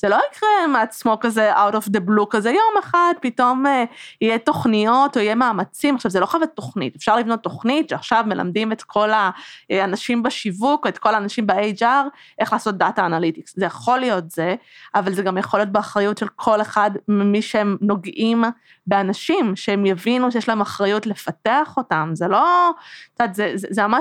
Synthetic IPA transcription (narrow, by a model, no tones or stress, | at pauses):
z̥elo̞ikʁemat͡smo̞kazeʔawtofd̪eblukazejo̞meχadpito̞mijeto̞χnijo̞toijemaːmat͡simaχʃavzelo̞χavat̪ːo̞χnḭtefʃaʁlivno̞t̪ːo̞χnitʃeaχʃavme̞lʔa̰mdime̞tkʰo̞laanaʃimbaʃivukoetko̞laːnaʃimbeejd͡ʒaʁ | ʔe̞χlaːso̞t̚d̪ataːnalitikszejaχo̞lijo̞tze̞avalzeɡamjeχolijo̞t̪̬̚beaχʁajutʃe̞lkʰo̞le̞χadmimiʃeemno̞ɡʔim | be̞anaʃimʃeemjavinuʃejeʃlaemaχʁajutle̞fateaχo̞tamzelo̞t͡sadzezzemama